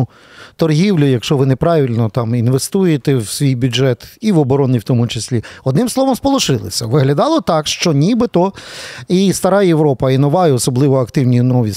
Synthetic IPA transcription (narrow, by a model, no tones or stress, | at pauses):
ʊ | t̪ɔrɦʲiwlʲʊjɐkʃt͡ʃɔʋɪnepɾɑʋʲilʲnɔt̪ɑminʋest̪ujet̪ɛwsʲʋʲijbʲʊd͡ʒɛt̪iʋɔbɔɾɔnijwt̪ɔmʊt͡ʃesʲlʲiɔd̪nɪmslˠɔʋɔmspɔlˠʊʃɪlˠɪ̰sʲɐʋɪɦlʲɐd̪ɑlˠɔt̪ɑkʃt͡ʃɔnʲibɪt̪ɔist̪ɐɾɑjeʋɾɔpɐinɔʋɑjɛɔsɔblˠɪʋɔɐkt̪ɪwnʲinɔʋʲi